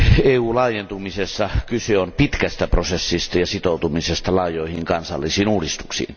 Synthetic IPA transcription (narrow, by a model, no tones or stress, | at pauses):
eːuːlɑˑːjent̪umisesːɑkyseompit̪kæst̪æprosesːist̪ɑjɑsit̪oˑut̪umisest̪ɑlɑˑjˑoˑihiŋkɑnsɑ̰lːisiːnuːdist̪u̥ksḭːn